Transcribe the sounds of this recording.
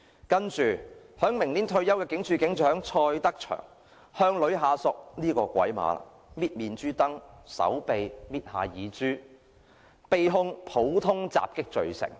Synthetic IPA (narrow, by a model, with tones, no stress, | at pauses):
kɐ˥nt͡ʃyː˨˩ | hœː˨˥ŋmɪ˨˩ŋliː˨˥nt̪ʰɵ˧ɥjɐ˥wkɛː˧kɪ˨˥ŋt͡ʃʰyː˨˧kɪ˨˥ŋt͡ʃʰœː˨˥ŋt͡ʃʰɔː˧jt̪ɐ˥k̚t͡ʃʰœ̰ː˨˩ŋ | hœː˧ŋlɵ˨˧ɥɦaː˨˧sʊ˨k̚niː˥kɔː˧kʷɐ̰˨˥jma̰ː˨˧la̰˨˩ | miː˧˥t̚miː˨nt͡ʃyː˥t̪ɐ˥ŋsɐ̰˨˥wpe˨jmiː˧˥t̚haː˨jiː˨˧t͡ʃyː˥ | pe˨jɦʊ˧ŋpʰo˨˥wt̪ʰʊ˥ŋt͡sa̰ː˨p̚kɪ˥k̚t͡ʃɵ˨ɥsɪ̰˨˩ŋ